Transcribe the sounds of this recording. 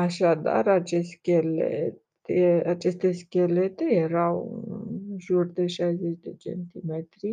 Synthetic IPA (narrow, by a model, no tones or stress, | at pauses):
aʃad̪a̰rat͡ʃeskʲelḛt̪ | eat͡ʃe̞st̪e̞skʲelet̪e̞jeɾaw̰ɨnʒurd̪e̞ʃajzet͡ʃʲd̪e̞t͡ʃḛnt̪imet̪ɾi